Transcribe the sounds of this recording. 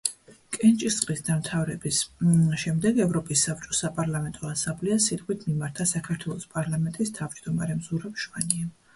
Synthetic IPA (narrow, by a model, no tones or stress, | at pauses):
kʼɛnt͡ʃʼistsʼqʼisd̪amt̪ʰavɾɛbisʃɛmd̪ɛɡɛvɾɔpʼisːab̥̚t͡ʃʼɔsapʼaɾlˠamɛnt̪ʼɔasamblɛasit̪ʼqʼwit̪ʰmimaɾt̪ʰasakʰaɾt̪ʰwɛlˠɔspʼaɾlˠamɛnt̪ʼist̪ʰavd͡ʒd̪ɔmaɾɛmzuɾapʃvaniɛ